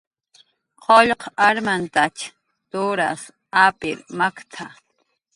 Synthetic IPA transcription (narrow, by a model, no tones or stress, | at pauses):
qʰoʎqaɾmant̪at͡ʃ | t̪oɾa̰s | apɪɾmakt̪ʰa